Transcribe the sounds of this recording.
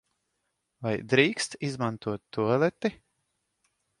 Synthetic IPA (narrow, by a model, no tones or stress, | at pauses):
vajd̪ɾiːkst̪izmant̪uɔt̪ːuɔlʲˠɛt̪i